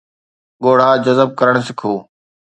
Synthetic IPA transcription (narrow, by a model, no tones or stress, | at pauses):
ɠoːɽ̤aːd͡ʑɐzəb̚kɐɾəɽ̃sɪkʰoː